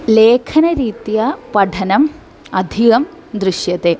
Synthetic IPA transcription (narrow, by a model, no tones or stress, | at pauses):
leːkʰɐnɐɾiːt̪ijɐpɐɖʰʱɐnɐm | ɐd̪ʱiɣɐm | d̪ɾiʂjɐt̪e